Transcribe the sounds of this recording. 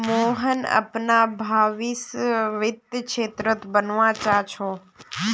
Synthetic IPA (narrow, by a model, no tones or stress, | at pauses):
moɦənə̰pnabʱaʋisʋɪt̪əkʃet̪ɾət̪bənʋãt͡ʃat͡ʃʰo